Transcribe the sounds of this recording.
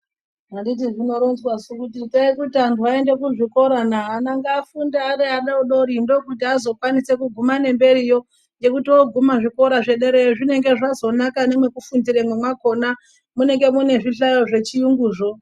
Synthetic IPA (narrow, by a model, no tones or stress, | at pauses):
andit̬iʐino̞ɾonzwasukut̬itaikutiantuae̞nde̞kuʐiko̞ɾanaːnaŋɡaːfundaːɾeaɗauɗoɾindo̞kutiazo̞kwanise̞kuɡʱumane̞mbe̞ɾijo̞ | je̞kutiwoɡʱumaʐiko̞ɾaʐe̞ɗe̞ɾeʐine̞ŋɡe̞ʐazo̞nakane̞mwekufundiɾemwemwako̞na | mune̞ŋɡe̞mune̞ʐiɬajo̞ʐe̞t͡ʃijuŋɡuːʐo